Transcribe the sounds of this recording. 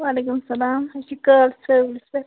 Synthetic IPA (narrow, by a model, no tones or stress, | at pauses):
ʋaːlekumɐsɐlaːmɐsikəlselse